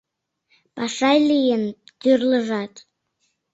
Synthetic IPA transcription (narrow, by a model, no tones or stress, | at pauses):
pɑʃɑjlijənt̪yrləʒɑt̪